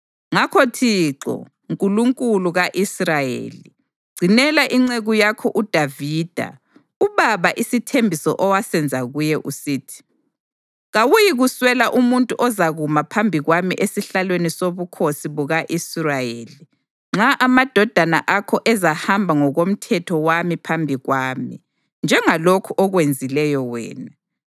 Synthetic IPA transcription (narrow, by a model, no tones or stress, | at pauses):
ŋakʰotʰiǁɔ̰ | ŋkʼuluŋkʼuluɣaʔisrajḛli | ɡ͡ǀʱinɛlaʔiŋ͡ǀeɣujakʰɔʔud̥ʱaviːd̥ʱa̰ | uβaβaʔisitʰembʱisɔ̰ʔɔwasɛnd͡zʱaɣujɛʔusiːtʰi̥ | ɣawujiɣuswɛlaʔumuntʼuʔɔzaɣumapʰambʱiɣwamiʔesiɬalwenisoβukʰosiβuɣaʔisurajeːli | ŋ͡ǁaʔamad̥ʱɔd̥ʱana̰ʔakʰɔʔɛzahambʱaŋɔɣom̩tʰɛtʰɔwamipʰambʱiɣwaːmi | nd͡ʒʱɛŋalokʰuʔɔɣwend͡zʱilɛjɔwɛ̰ːna